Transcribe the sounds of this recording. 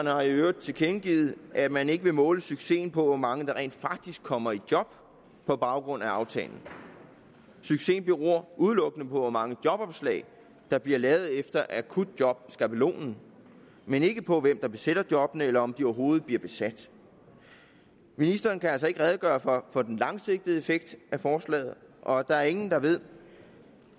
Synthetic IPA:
ɐnəhɑ̈iøːʊd̥t͡sʰe̝lkʰenɡ̥iːð̩ˠʔæmæne̝ɡ̥əʋe̝mɔ̽ːləsyɡ̥se̝̰ːn̩pʰɒ̽ʋɒmɑ̈ŋəd̥ɑ̈ʁḛːnd̥fɑ̈ɡ̥̚d̥isɡ̥̚kʰːɒ̽m̰ɐid̥jɒ̽b̥̚ | pʰɒ̽b̥ɑ̈ʊɡ̥ʁɔ̽n̰æɑ̈ʊt͡sʰɛ̰ːln̩ | syɡ̥se̝̰ːnb̥iɐʁo̝ɐ̰ʔuð̞ˠlɔ̽ɡ̥ənəpʰɒ̽ʋɒmɑ̈ŋəd̥jɒ̽b̥ɒ̽b̥slɛ̰ːɪ | d̥ɑ̈b̥liɐlɛːʊð̩ˠefd̥ɐʔækʰud̥̚d̥jɒ̽b̥sɡ̥æpʰəlo̝̰ːnn̩ | mene̝ɡ̥əpʰɒ̽ʋemd̥ɑ̈b̥e̝sed̥ɐd̥jɒ̽b̥ənəelɐɒ̽md̥iɒʊɐɦo̝ːð̞̩ˠb̥liɐb̥e̝sæd̥ | minisd̥ɐːnkʰæælsɐe̝ɡ̥əʁɛð̞ˠɡ̥ɶːɐfɒ̽fɒ̽d̥enlɑ̈ŋse̝ɡ̥̚d̥əð̩ˠe̝feɡ̥̚d̥ʔæfɒːslɛ̰ːð̞̩ˠʔɒ̽d̥ɑ̈æɐe̝ŋn̩d̥ɑ̈ʋe̝ð̰ˠ

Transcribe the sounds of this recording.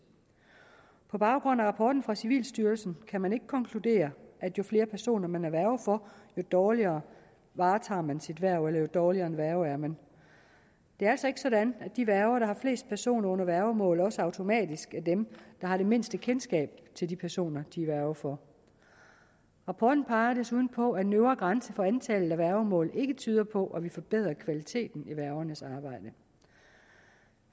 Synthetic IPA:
pʰɒ̽b̥ɑ̈ʊɡ̥ʁɔ̽næʁɑ̈pʰɒːd̥n̩fʁɑ̈siʋḭːlsd̥yːɐlsn̩kʰæmæne̝ɡ̥əkʰɒ̽ŋkʰlud̥e̝̰ːɐʔæd̥jo̝fle̝ːɐpʰæɐso̝̰ːnɐmænæɐʋæɐʊfɒjo̝d̥ɒːliɐː | ʋɑ̈ːt͡sʰɑ̰̈ːmænsid̥ʋæɐ̰ʊelɐjo̝d̥ɒːliɐnʋæɐʊæɐmæn | d̥e̝æɐælsɒ̽e̝ɡ̥əsɒ̽dænæ̥d̥iʋæɐʊɐɾ̥ɑ̈hɑ̈fle̝̰ːsd̥̚pʰæɐso̝̰ːnɐɔ̽n̰ɐʋæɐʊmɔ̰̽ːlɒ̽səɑ̈ʊt͡sʰo̝mɛ̰ːd̥isɡ̥æd̥emd̥ɑ̈hɑ̈ɾe̝me̝n̰sd̥əkʰensɡ̥ɛ̰ːb̥̚t͡sʰe̝ldipʰæɐso̝̰ːnɐd̥iʋæɐʊɐfɒ | ʁɑ̈pʰɒ̰ːd̥n̩pʰɑ̈ɪɐɾ̥esuðˠn̩pʰɒ̽æd̥enøʊɐɡ̥ʁɑ̈nsəfɒ̽ænt͡sʰɛːlð̩ˠæʋæɐʊmɔ̰ːle̝ɡ̥ət͡sʰyːð̞ˠɐpʰɒ̽ʔæʋifɒ̽b̥eð̞̰ˠʁɐkʰʋælit͡sʰe̝̰ːd̥n̩iʋæɐʊɐnəsɑ̈ːb̥ɑ̈ɪ̰d̥ə

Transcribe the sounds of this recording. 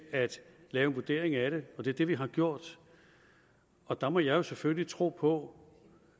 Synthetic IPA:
æd̥lɛːʊenʋud̥e̝̰ɐ̰eŋæɾ̥e̝ɒ̽d̥e̝ɐd̥e̝ʋiɦɑ̈ɡ̥jo̝ɐ̰d̥ | ɒ̽d̥ɑ̈mɒjɑ̈ɪo̝seføləlit͡sʰʁo̝̰ːpʰɒ̽

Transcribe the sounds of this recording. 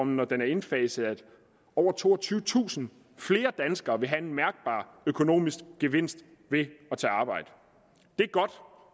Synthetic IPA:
ɒm̩nɒd̥enæɐe̝nfɛːsəæ̥ | ɒʊ̰ɐt͡sʰo̝̰ːɒ̽t͡sʰyːʊət͡sʰṵːsn̩ | fle̝ːɐd̥ænsɡ̥ɐːʋe̝ɦæe̝nmæɐɡ̥̚b̥ɑ̰̈ː | økʰo̝no̝̰ːmisɡ̥ɡ̥e̝ʋe̝n̰sd̥ | ʋe̝ɒ̽t͡sʰeɑ̈ːb̥ɑ̈ɪ̰d̥ə | d̥e̝æɐɡ̥ɒ̽d̥

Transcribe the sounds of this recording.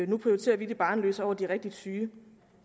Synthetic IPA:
nupʰʁioit͡sʰe̝̰ːɐʋid̥e̝b̥ɑ̈ːnlø̰ːsɒʊ̰ɐd̥iʁɛɡ̥̚d̥id̥syː

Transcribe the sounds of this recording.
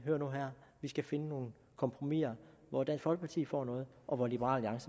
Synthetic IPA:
ɦøːɐnuɦæɐ̰ʋisɡ̥æfe̝nəno̝ːn̩ | kʰɒ̽mpʰʁo̝mḭɐ | ʋɒd̥ænshɒ̽lɡ̥pʰɑ̈t͡sʰḭːfɒ̰ːnɔ̽ːð̩ˠʔɒ̽ʋɒlib̥əɐʁɑ̰̈ːliɑ̈ŋsə

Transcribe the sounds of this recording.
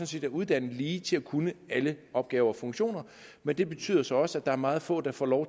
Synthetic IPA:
ɔ̽nse̝̰ːd̥æuð̞ˠd̥æn̰̩liːt͡sʰe̝lækʰunəæləɒ̽b̥̚ɡ̥ɛːʊɐɒfɔ̽ŋɕo̝̰ːnɐ | mend̥e̝b̥e̝t͡sʰy̰ːðˠɐsɒ̽ɒ̽səæd̥ɑ̈æɐmɑ̈ːð̞̩ˠfɔ̰̽ːd̥ɑ̈fɒ̰ːlɒʊ

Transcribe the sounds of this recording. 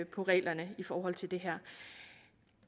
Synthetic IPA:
pʰɒ̽ʁɛ̰ːlɐnəifɒːɦɒ̽l̰t͡sʰe̝ld̥e̝ɦæɐ̰

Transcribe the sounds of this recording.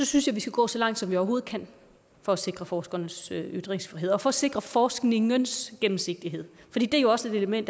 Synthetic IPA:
sɒ̽synsjɑ̈ɪʋisɡ̥æɡ̥ɔ̰ːsɒ̽lɑ̈ŋ̰d̥sɒ̽mʋiɒʊɐɦo̝ːð̞̩ˠkʰæn | fɒ̽æse̝ɡ̥ʁɐfɒːsɡ̥ɐnəsøyd̥ʁeŋsfʁiɦe̝ð̰ˠɒ̽fɒ̽ːse̝ɡ̥ʁɐfɒːsɡ̥ne̝ŋənsɡ̥emm̩se̝ɡ̥̚d̥iɦe̝ð̰ˠfɒdḭːd̥e̝æɐjo̝ɒ̽səe̝d̥e̝ləmen̰d̥

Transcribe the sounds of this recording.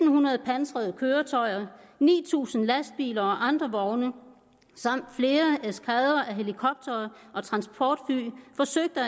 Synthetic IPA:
n̩hunɐð̩ˠpʰænsʁɛðˠkʰøːɐt͡sʰɒ̽ɪɐnḭːt͡sʰṵːsn̩læsd̥̚b̥ḭːlɐɒ̽ʔɑ̈nd̥ʁɐʋɒʊnə | sɑ̈m̰d̥fle̝ːɐeskʰɛðˠɐʔæɦe̝likʰɒ̽b̥̚d̥ɐːɒ̽t͡sʰʁɑ̈nsb̥ʰɒːd̥fy̰ːfɒ̽søɡ̥̚d̥ə

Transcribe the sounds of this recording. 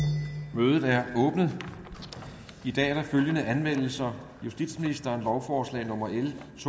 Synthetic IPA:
møːð̞ˠð̩ˠæɐɔ̽ːb̥nəð̞ˠ | id̥ɛ̰ːæɐd̥ɑ̈føljənəʔænʋen̰l̩sɐ | jusd̥id̥sminisd̥ɐnlɒʊfɒːslɛ̰ːnɔ̽mɐelsʰ

